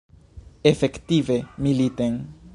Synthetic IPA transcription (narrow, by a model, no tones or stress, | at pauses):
efekt̪ivemilit̪ẽŋ